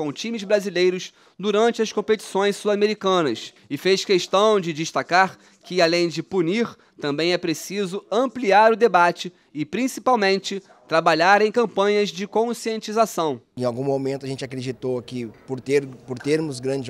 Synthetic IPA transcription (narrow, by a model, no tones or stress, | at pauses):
kõw̃t͡ʃĩmɪzbɾazilejɾʊs | d̪uɾɐ̃nt͡ʃɪɐskõpet͡ʃi̥sõj̃ssuameɾikɐ̃nɐs | ɪfeʃkeʃt̪ɐ̃w̃d͡ʒɪd͡ʒɪʃt̪akaɾ | kɪalẽj̃d͡ʒɪpuniɾ | t̪ɐ̃mbẽj̃ɛpɾesizʊɐ̃mpliaɾʊd̪ebat͡ʃɪ | ɪpɾĩsipawmẽnt͡ʃɪ | t̪ɾabaʎaɾẽj̃kɐ̃mpɐ̃ɲɐzd͡ʒɪkõsiẽnt͡ʃizasɐ̃w̃ẽj̃awɡũmomẽnt̪ʊaʒẽnt͡ʃakɾed͡ʒit̪okɪpoɾt̪eɾpoɾt̪eɾmʊzɡɾɐ̃d͡ʒɪ